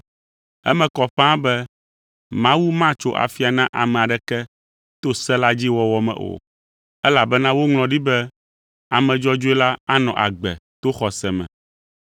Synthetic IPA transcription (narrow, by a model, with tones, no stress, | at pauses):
ɛ̰˦mɛ̃˨kɔ˨ɸã˦bɛ˦ | mã˦wu˦mã˦t͡ʃo˦ʔa̰˨fi˦a˨nã˦ʔa˨mɛ̃˨a˨ɖɛ˨kɛ˦ | t̪o˦sɛ˦la˦d͡ʑi˦wɔ˨wɔ˦mɛ̰̃˨ʔo̰˨ | ɛ˦la˨bɛ˦nã˦wo˦ŋl̃ɔ̃˨ɖi˦bɛ˦ | a˨mɛ̃˨d͡ʒɔ˦d͡ʒo˦e˦la˦a˦nɔ̃˨ʔa̰˨ɡ͡bɛ̰˨t̪o˦xɔ˨sɛ˨mɛ̰̃˨